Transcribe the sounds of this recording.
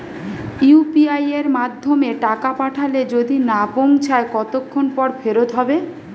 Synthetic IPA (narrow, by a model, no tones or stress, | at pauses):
iupiajeɾmad̪ʱːomeʈakapaʈʰaled͡ʑod̪inapoŋt͡ɕʰaekɔt̪okʰːonpɔɾfʰeɾot̪ɦɔbe